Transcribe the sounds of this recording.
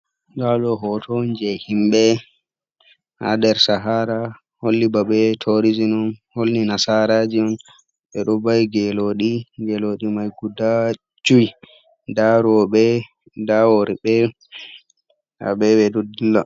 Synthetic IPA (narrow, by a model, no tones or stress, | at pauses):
ɡalɔɦɔtʰɔnd͡ʒɛhimɓɛ | ha̰dɛɾsaɦaːɾa | holːibaɓɛtʰoɾizinɔnholːinasaɾad͡ʒiɔn | ɓɛɗɔbajɡɛloɗiɡɛloɗimajɡuda | d͡ʒuj | daɾɔɓɛ | dawoɾibɛ | a̰ɓɛɓɛdudilːa